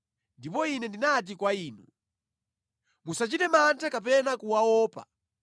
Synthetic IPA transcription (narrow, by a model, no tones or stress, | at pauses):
ndipɔinɛndinat̬ikwaiːnu | musat͡ʃitɛmantʰakapɛnakuwawɔːpa̰